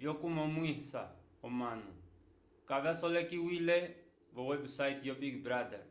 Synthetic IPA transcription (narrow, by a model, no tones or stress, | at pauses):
vjɔkumɔmuisa̰ | ɔmanṵ | kavasɔlɛkiwilɛ | vɔwɛbsajtjɔbiɡbɾad̪ɛ